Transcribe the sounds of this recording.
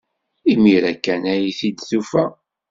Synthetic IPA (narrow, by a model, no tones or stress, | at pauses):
imiɾækːænæjiθid̪θufæ